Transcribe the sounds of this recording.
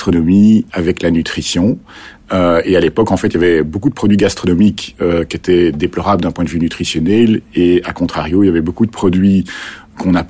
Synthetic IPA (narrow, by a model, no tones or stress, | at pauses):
t̪χɔnɔmiavɛklanyt̪χisjɔ̃ | øealepɔkɑ̃fɛt̪iljavɛbokud̪əpχɔd̪ɥiɡast̪χɔnɔmikøkʲet̪ʰɛd̪eplɔʁabləd̪ɛ̃pwɛ̃d̪əvynyt̪χisjɔnɛleakɔ̃t̪χaʁjoiljavɛbokud̪əpχɔd̪ɥi | kɔ̃nap